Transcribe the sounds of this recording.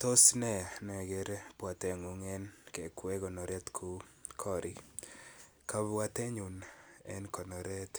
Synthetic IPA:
t̪o˦snɛ˨nɔ˨ɛ˨ɡe˨ɾpwa˨tɛ˨ŋu˨ŋɛ˦nkɛ˨kwɛ˦ɡɔ˨nɔ˨ɾɛ˦t̪kʰu˦kʰɔ˦ɾʔi˨ | ka˦βwa˦t̪ɛ˦ɲu˨nɛ̰˦nkɔ˨nɔ˨ɾɛ˦t̪

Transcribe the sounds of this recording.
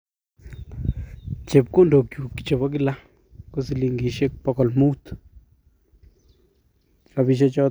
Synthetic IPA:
t͡ʃe˨b̚ko˦ndo˨kju˨ki̥˨t͡ʃe˨ba˦ɡ̬i˦la˦ | ko˦si˧li˧ŋɡi˨ʃe˦k̚pa˧ka˨lmu˦t̪ | ka˧bi˧ʃ̬a˦t͡ʃɔ˧

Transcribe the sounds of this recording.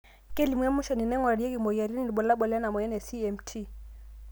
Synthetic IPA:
kɛ˦li˨mwɛ˦mu˦ʃa˨ni˨nɛ˦ŋwa˨ɾi˦ɛ˦ɣi˨mɔ˨ja˨ɾi˦ni˦˨ni˨ɓɔ˨la˦ɓɔ˨la˦na˨mɔ˨ɛ˦nɛ˨si˦ɛ˨mtʰi˦

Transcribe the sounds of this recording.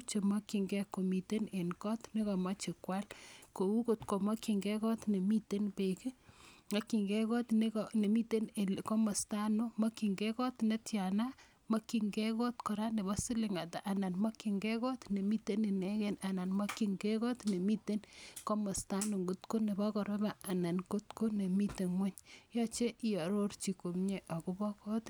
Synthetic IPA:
t͡ʃe˨ma˦ki˨ŋɡɛ˦ko˨mi˨te˦ne˨nkɔ˦tne˦kɔ˨ma˦t͡ʃɪ˨kwa˦lko˨u˦ko˨tko˨ma˦ki˨ŋɡɛkɔ˦tne˨mi˦te˦npe˨ki˦ŋa˦ki˨ŋɡɛ˦kɔ˦tne˦kone˨mi˦te˦ne˨ko˦mɔ˨sta˦no˦mɔ˦ki˨ŋɡɛ˦kɔ˦tne˦tja˨na˦ | ma˦ki˨ŋɡɛ˦kɔ˦tkɔ˨ɾa˦ne˨bɔ˦si˦lɪ˨ŋa˨ta˨ʔa˨na˨nma˦ki˨ŋɡɛ˦kɔ˦tne˨mi˦te˦ni˨ne˦kɛ˦na˨na˨nma˦ki˨ŋɡɛ˦kɔ˦tne˨mi˦te˦nko˦ma˨sta˦no˨ŋɡo˦tko˦ne˨bɔ˦kɔ˨ɾe˦ba˨a˨na˨nko˦tko˦ne˨mi˦te˨ŋwɛ˦ɲjɔ˦t͡ʃe˦i˦jɔ˨ɾo˦rt͡ʃi˨ko˨mɲe˨ʔɔ˨ku˦bɔ˦kɔ˦t

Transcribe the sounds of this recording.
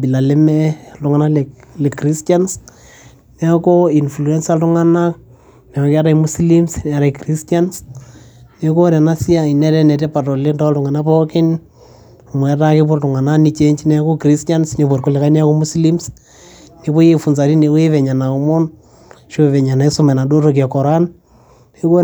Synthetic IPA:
bi˨la˨le˦mɛlu˦ŋa˨nal | le˨kɾistans | ne˦a˦ko˦i˨nflu˨ɛ˦nsatuŋana | ne˨o˨ka˦ɾa˨imu˦slimsn˨a˨ɾa˨i˨kɾistans | neko˦ɾa˨nasi˦a˦i˨nɛ˦ɾɛ˦nɛ˨tɛ˦pa˨to˨le˦ndatu˨ŋa˨na˦poki˦n˨ | mwɛ˨ta˦ke˦po˦ɾtu˨ŋa˨nani˧t͡ʃeɲt͡ʃinɛ˦ako˦kɾistansnepo˨ɾko˦le˨ka˦i˦ne˦a˦ko˦mu˦slims | ne˨βo˦je˨fu˨nsa˨ɾi˦ne˨ko˦e˦βɛ˨ɲa˨na˨u˦mɔ˦n | ʃoβɛ˨ɲa˨na˨i˦su˦mɛ˨na˨do˦to˨k̬ja˨kɔ˨ɾan | neko

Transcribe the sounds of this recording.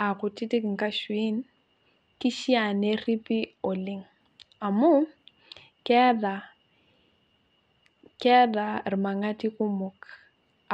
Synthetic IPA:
a˨ɣʊ˨tʼɪ˦tʼɪ˦kŋ̩˨kʼa˦ʃwi˦n̩ | ki˦ʃi˦a˨ne˦ri˦pʼɪ˦ʊ˨lɪ˦ŋ̩ | a˨mʊ˦ | kʼɛ˦da˨ | kɛ˦da˨rɪ˨ma˨ŋa˦tʼi˦kʼʊ˦mʊ˨k

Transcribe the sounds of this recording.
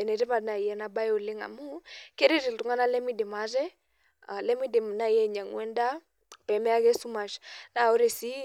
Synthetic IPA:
ɛ˨nɛ˨ɾi˦pa˨na˨i˨jɛ˦na˦ba˦jo˨lɪ˦ŋa̰˨mu˦ke˦ɾe˦ɾi˨ltu˨ŋa˦na˦lɛ˦mi˦di˨ma˨˦ɾɛ˦ | a˨lɛ˦mi˦di˨m˨na˦˨jɛ˦˨ɲa˨ŋwɛ˦nda˦ | pɛ˨mɛ˦a˦kɛ˦su˦ma˨ʃna˨o˦ɾe˨si˦

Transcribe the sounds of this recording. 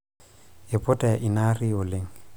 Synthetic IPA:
ɪ˨pʼɔtʼa˨ʔɪ˨na˦ri˦ʊ˨le˦ŋ̩

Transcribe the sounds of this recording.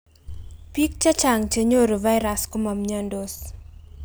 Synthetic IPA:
pi˦k̚t͡ʃa˦t͡ʃa˨ŋt͡ʃə˦ɲo˦ɾo˨vajɾasko˦ma˨mɲɔ˦ndos

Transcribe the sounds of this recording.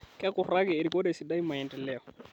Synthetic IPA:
kɛ˦kɔɾa˦kɛː˨ɾi˨kɔ˦ɗɛsi˨ɗa˦i˦ma˨ɛ˨ndɛlɛɔ

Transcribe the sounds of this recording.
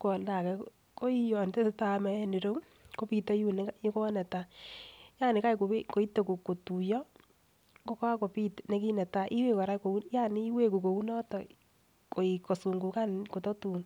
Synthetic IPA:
kɔ˨lta˨kɛ˨ | ko˦i˦jɔ˨nte˦sɪ˦ta˦mɛ˨ɛ˦ni˨ɾo˦ŋ | ko˦pi˦ta˦ju˦ne˦ji˦ko˦nɛ˨ta˨ja˦˨nɪ˨ka˦jko˨e˦ko˨i˦to˨ku˨kːo˨tu˨jɔ˦ | ko˦ka˦ko˨pi˦tne˨˦ki˦nɛ˨ta˨ʔi˦we˦˨ka˨ɾa˦ko˨u˦nja˦ni˨i˦we˦ku˨ko˨u˦nɔ˦tɔ˨ | ko˨i˨ko˨su˨ŋɡu˨ka˦nko˨tɔ˦tu˨n

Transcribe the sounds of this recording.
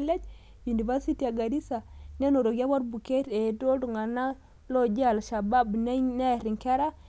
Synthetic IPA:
le˦d͡ʒ | ju˨ni˨va˦ɾsi˦ti˨ja˨ɡa˨ɾi˦sa˨ne˦no˨ɾo˨ɡi˦a˦βa˦ɾbu˨ke˦te˨do˦du˨ŋɡa˨na˦ | lo˦d͡ʒe˦a˨lʃa˨ba˦bne˦ɲne˦˨ɾi˨ŋke˦ɾa˦

